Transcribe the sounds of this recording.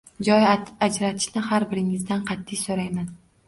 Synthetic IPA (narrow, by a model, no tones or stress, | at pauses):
d͡ʒɒjad͡ʒɾat̪ʰɪ̥ʃnɪhaɾbɪɾɪŋɪzd̪anqʰɑt̪ʰːɪjsoɾajman